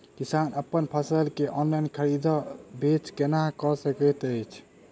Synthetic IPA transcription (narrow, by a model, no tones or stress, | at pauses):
kisanəpːənpʰəsəlkeʔɔnlainkʰəɾid̪ʱɔbet͡ʃkenaɦkɔsəkɛt̪əjt͡ʃʰ